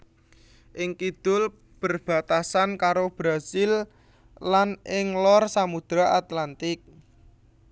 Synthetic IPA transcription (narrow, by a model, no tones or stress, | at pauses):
ʔɪŋkid̪̥ʊl | b̥ərb̥a̤t̪asankaɾob̥ɾasɪl | lanɪŋlɔrsamud̪̥ɾaʔat̪lant̪ɪk̚